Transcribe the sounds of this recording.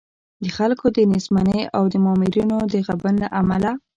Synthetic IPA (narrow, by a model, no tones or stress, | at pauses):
d̪əxalkʰod̪ənizmanəjawd̪əmɑmɪɾinod̪əɣabənlaʔamala